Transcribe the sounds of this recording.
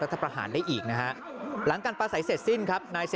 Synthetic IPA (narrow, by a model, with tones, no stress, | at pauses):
ɾa˦t̪ʰːa˧pɾa˧ha̰ː˩˦ndaː˥˩jʔiː˨˩k̚na˦˥kʰa˦˥ʔ | la˩˦ŋkaː˧npaː˧sa˩˦jse˨˩t̪̚si˥˩nkʰa˦˥p̚naː˧jse˨